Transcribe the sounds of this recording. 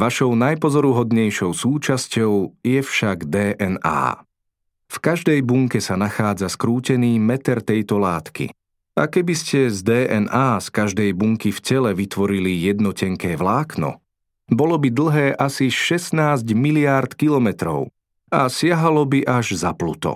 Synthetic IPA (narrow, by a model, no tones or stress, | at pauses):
ʋaʃɔʊnajpɔzɔɾuɦɔd̪ɲɛjʃɔʊsuːt͡ʃascɔʊjɛfʃaɡd̪ɛːʔɛna̰ː | fkaʒd̪ɛjbuŋkɛsanaxaːd͡zaskɾuːcɛniːmɛt̪ɛɾt̪ɛjt̪ɔlaːt̪kḭ | a̰kɛbiscɛzd̪ɛːʔɛnaːskaʒd̪ɛjbuŋkifcɛlɛʋit̪ʋɔɾilijɛd̪nɔcɛŋkɛːʋlaːknɔ̰ | bɔlɔbid̪l̩ˠɦɛːʔasiʃɛsnaːzɟmiliaɾt̪kilɔmɛt̪ɾɔʊ | asɪaɦalɔbiʔaʒzaplṵt̪ɔ̰